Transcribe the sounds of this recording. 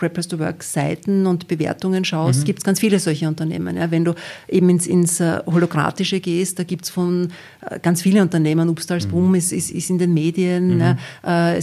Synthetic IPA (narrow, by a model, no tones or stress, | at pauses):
ɹɛpʰɛsd̥uʋœ̰ɐksaɪtn̩ʊntb̥əvḛːɐtʊŋənʃaʊs̬tɡ̥iːp̚tsɡ̥ant͡sfiːləzɔlçəʊntɐnḛːmə̰njaːvɛnduːʔeːbm̩ɪnsɪ̰nsholoɡʁa̰ːtɪʃəɡeːst̚d̥aːɡiːp̚tsfɔn | ʔɡ̥ant͡sfiːln̩ʊ̃ntɐneːmənuːpstalsb̥umɪsɪsɪ̰sɪndeːnmeːdiənnɛʔəɛ